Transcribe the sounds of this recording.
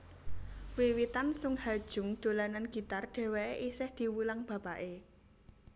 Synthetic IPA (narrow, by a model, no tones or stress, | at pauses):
wiwit̪ansʊŋhad̥ʒ̥ʊ̤ŋd̪̥o̤lananɡ̥i̤t̪arɖ̥ɛ̤weeʔisɪhd̪̥i̤wulaŋb̥ä̤paʔe